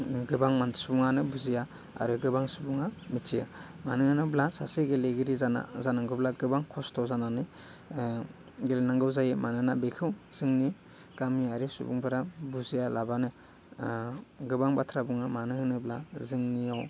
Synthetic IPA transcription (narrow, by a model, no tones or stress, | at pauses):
ɡɯbaŋmansubuŋanɯbuzija | a̰ɾɯɡɯbaŋsubuŋamit͡ʃijɯmanɯhɯnɯblasaseɡeleɡiɾizana̰zanaŋɡɯblaɡɯbaŋkʰɔstʰɔzananɯ | ɡelenaŋɡɯwzajɯmanɯnabekʰɯwz̥ɯŋni | ɡ̥amiaɾisṵbṵŋbʰɯɾabuzijalabanɯ | ɡɯbaŋbatʰɾabuŋɯmanɯhɯnɯblazɯŋnijaw